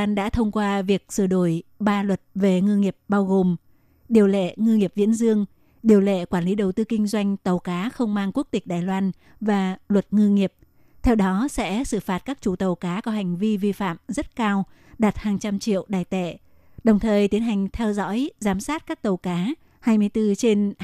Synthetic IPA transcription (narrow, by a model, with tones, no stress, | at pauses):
aː˧nɗa̰ː˧˥t̪ʰə˧wŋ͡mkwaː˧vi˨˩ək̚sɨ˧˩ɗo˧˩jɓaː˧lwə˨˩t̚ve˨˩ŋɨ˧ŋi˨˩əp̚ɓaː˧wɣo˨˩m | ɗi˨˩əwlḛ˧˨ŋɨ˧ŋi˨˩əp̚vḭ˧˥ənzɨ˧əŋ | ɗi˨˩əwlḛ˧˨kwaː˧˩nli˨˦ɗə˨˩wt̪ɨ˧kï˧ŋ̟zwa˧jŋ̟t̪ə˨˩wkaː˨˦xə˧wŋ͡mmaː˧ŋku˦˥ək̚t̪ï˨˩k̟̚ɗaː˨˩jlwaː˧n | vaː˨˩lwə˨˩t̚ŋɨ˧ŋi˨˩əp̚ | t̪ʰɛ˧wɗɔ˨˦sɛ̰˧˥sɨ˧˩faː˨˩t̚kaː˦˥k̚t͡ɕu˧˩t̪ə˨˩wkaː˨˦kɔ˨˦ɦa˨˩jŋ̟vi˧vi˧fa̰ː˧˨mzə˦˥t̚kaː˧w | ɗaː˨˩t̚haː˨˩ŋt͡ɕa˧mt͡ɕḭ˧˨əwɗaː˨˩jt̪ɛ̰˧˨ | ɗə˨˩wŋ͡mt̪ʰəː˨˩jt̪i˨˦ənɦa˨˩jŋ̟t̪ʰɛ˧wzɔ̰˧˥jzaː˨˦msaː˦˥t̚kaː˦˥k̚t̪ə˨˩wkaː˨˦ | haː˧jmɨ˧jt̪ɨ˧t͡ɕe˧n